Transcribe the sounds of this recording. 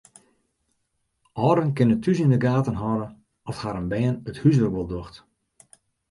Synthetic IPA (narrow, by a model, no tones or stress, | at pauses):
ʔɔːdənkɪnətʰysɪndəɡaːtənɦɔːɾə | ɔshaɾənbɛːənəthysʋərkʋəlˠdoxt